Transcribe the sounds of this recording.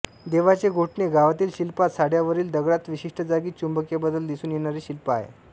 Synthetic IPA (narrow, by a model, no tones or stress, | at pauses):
d̪eʋat͡seɡʱoʈɳeɡaʋat̪iːlɕilpat̪saɽjaʋəɾiːld̪əɡɭat̪ʋiɕiʂʈəd͡zaɡiːt͡ɕumbəkjebəd̪əld̪isuːnjeɽ̃aɾiːɕilpəaɦḛ